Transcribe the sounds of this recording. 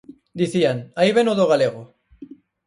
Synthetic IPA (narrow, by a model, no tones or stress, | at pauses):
d̪iθiaŋaiβenoðoɣ̞aleɣ̞o